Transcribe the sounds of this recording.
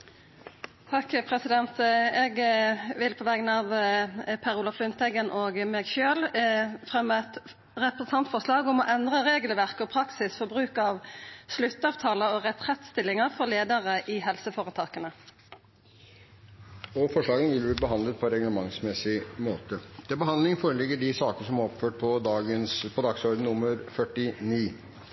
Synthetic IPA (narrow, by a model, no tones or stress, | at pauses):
t̪ʰɑkːpʰʁɛsɪd̪ɛnt̪ɛːɡʋɪlpʰɔːʋɛɡənɑːʋpʰæʁuːlɑflʉnt̪ɛɡənʔoːɡmɛːɡʃøːlfʁɛmːɛt̪ | ʁɛpʁəsɑnt̪fɔʁslɑːɡʊmɔʔɛnd̪ʁəʁeːɡəlʋæʁkɔpʰɾɑksɪsfɔʁbʁʉːkɑːʋslʉt̪ːɑːʋt̪ʰɑːləɔʁɛt̪ʁɛt̪st̪ɪlːɪŋəʁfɔʁleːd̪əʁəʔɪɦɛlsəfoːʁət̪ʰɑːkənə | ɔfɔʂɭɑːɡənʋɪlʋɪbəɦɑnd̪lət̪̚pʰɔɾɛɡləmɑŋsmɛsɪmoːt̪əd̪̥ɛbəɦɑnd̪lɪŋəfɔːɾənɪɡːəɖɪsɑːkənəʂɔmæɾɔpføːʈ̚pʰɔd̪ɑːɡənspʰɔd̪ɑksɔɾɖd̪ən̩nʊmːəɾfœʈɪniː